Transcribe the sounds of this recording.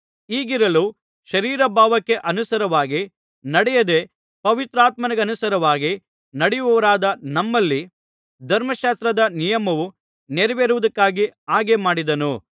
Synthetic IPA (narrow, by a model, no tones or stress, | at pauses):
iːɡiɾɐlu | ʃɐɾiːɾɐbʱaːʋɐkːe̞ʔɐnusɐɾɐʋaːɡi | nɐɽɛjɐd̪e | pɐʋit̪ɾaːt̪̚mɐnɐɡeɐnusɐɾɐʋaːɡi | nɐɽɛjuʋɐʋɐɾaːd̪ɐnɐmːɐlːi | d̪ʱɐɾmɐʃaːst̪ɾɐd̪ɐnijɐmɐʋu | neɾɐʋeːɾuʋud̪ɐkːaːɡiaːɡe̞maːɽid̪ɐnu